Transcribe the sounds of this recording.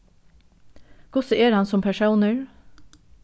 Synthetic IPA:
ɡ̥ʊsəeːɾhɑnsɔmpʰæʃuːnəɹ

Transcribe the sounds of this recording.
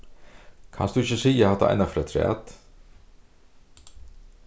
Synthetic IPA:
kʰa̰nsd̪ʉɪçəsiːaat̪ːa̰ʔa̰ɪnafɾɑːt̪ʰɾæ̰ːt̪

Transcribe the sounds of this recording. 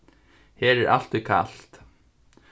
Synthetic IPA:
hɛːɾɛɾʔa̰l̥t̪ʏkʰa̰l̥t̪

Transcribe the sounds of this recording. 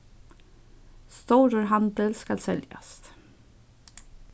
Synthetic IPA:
st̪oːɾəɾɦand̪əlskalsɛlja̰st̪

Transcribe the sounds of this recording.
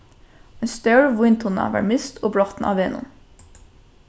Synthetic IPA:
ɛnst̪œɹʋʊnt̪ʰʊnɑ̰ʋɑ̰ːɹmɪst̪ʰoːblɔt̪n̩ʔɑ̰ːʋeːnʊ̰n

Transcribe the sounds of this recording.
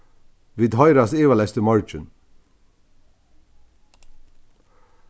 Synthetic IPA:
ʋiːd̪ɦɔʏɾaseːʋalɛst̪əmɔɹt͡ʃən

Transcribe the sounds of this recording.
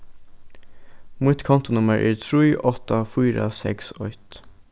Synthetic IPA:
muːt̪kʰɔnt̪ʊnʊməɹʔæ̰ːɹt̪ʰɹiːʔɔt̪afyːɾə̰sɛ̰ksɔʏt̪

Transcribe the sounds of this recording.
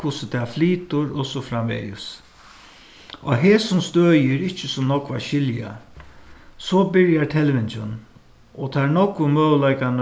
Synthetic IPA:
kʰʊsət̪ʰɛːfliːt̪ʊɾɔsɔfɾamʋɛ̰jɪ̰s | ɔɦɛːsʊmst̪øːjɪɾɪht͡ʃːəsʊmnɔkʋaʃɪlja̰ | sɔbɪɹjat̪ʰɛlʋɪnt͡ʃən | ɔt̪ʰaɹnɔkʊmøːwlajkan

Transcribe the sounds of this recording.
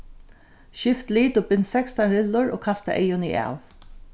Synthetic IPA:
ʃɪft̪liːt̪ʊbɪnːsɛkst̪anɾɪlːʊɹo̰ːkʰast̪a̰ʔɛjʊnḭʔa̰ːʋ

